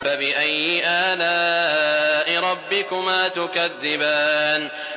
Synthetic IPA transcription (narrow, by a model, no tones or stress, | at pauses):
abɪʔajːɪʔaːlaː | ʔɪɾˤɑbːɪkʊmaːt̪ʊkaðːɪbaːn